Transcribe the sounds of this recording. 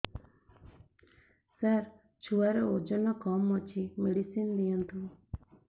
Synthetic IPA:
saɾ | t͡ʃʰuaɾeod͡ʒɔnɔkɔmːɔt͡ʃʰimeɽisind̪ijant̪u

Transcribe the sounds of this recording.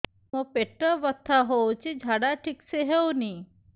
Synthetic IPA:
mopeʈəʋət̪ʰːaɦot͡ʃid͡ʒʱaɽaʈʰikseɦewni

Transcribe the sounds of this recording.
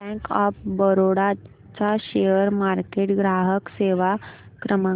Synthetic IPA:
ɛ̃kɔfbəɾoɽa | t͡saɕejəɾmaɾkeʈɡɾaɦəkseʋakɾəmə

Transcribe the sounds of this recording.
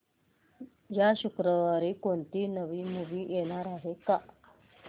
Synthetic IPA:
jaɕukɾəʋaɾikont̪inəʋimuʋijenaɾaɦekaʔ

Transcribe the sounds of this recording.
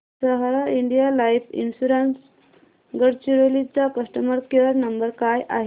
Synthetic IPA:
səɦɾaiɳɖijalaipʰḭnsuɾəns | ɡəɾt͡ɕiɾolit͡sakəsʈəməɾkeɾnəmbəɾkajʔaɦ

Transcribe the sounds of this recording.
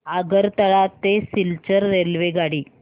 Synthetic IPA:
aɡəɾt̪əɭat̪esilt͡ɕəɾːelʋeɡaɽiː

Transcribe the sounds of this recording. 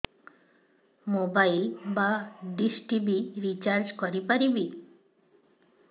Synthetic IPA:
mobajlbaɖisʈibiɾit͡ɕaɾd͡ʑkoɾipaɾibi

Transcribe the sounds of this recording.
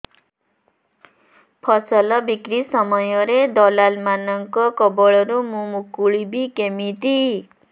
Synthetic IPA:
pʰʌsʌlʌbikɾisʌmʌjʌɾed̪ɔlalmanʌŋkɔkɔbɔɭʌɾumumukuɭibikemit̪i

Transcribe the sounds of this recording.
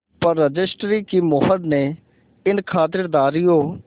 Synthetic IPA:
pəɾːəd͡ʒɪsʈɾiːkiːmʊɦəɖ̪neː | ɪnkʰaːt̪̬ɪɾd̪aːɾijoː

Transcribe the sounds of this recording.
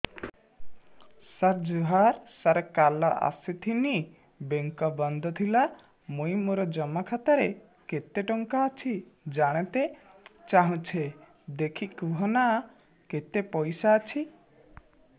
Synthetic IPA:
səɾd͡ʒuɦaɾsəɾkalɔʔa̰sit̪ʰini | beŋkɔbɔnd̪ɔt̪ʰila | mojmuɾɔd͡ʒɔmakʰat̪aɾe | ket̪eʈɔŋkaːt͡ʃʰid͡ʒaɽ̃et̪et͡ʃaɦũt͡ʃʰe | d̪ekʰikuɦɔna | ket̪epɔjsaːt͡ʃʰi

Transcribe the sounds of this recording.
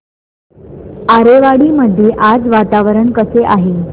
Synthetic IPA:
aɾeʋaɽiːməd̪ʱːjeʔad͡zʋat̪aʋəɾəɳkəseʔaɦe

